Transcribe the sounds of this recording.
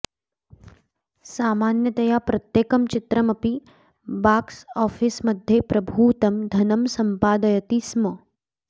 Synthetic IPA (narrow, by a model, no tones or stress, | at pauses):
saːmaːnjɐt̪ɐjaːpɾɐt̪jeːkɐmt͡ʃɪt̪ɾɐmɐpi | baːksɔːfʰismɐd̪ʱjepɾɐbʱuːt̪ɐmd̪ʱɐnɐmsɐmpaːd̪ɐjɐt̪ismɐ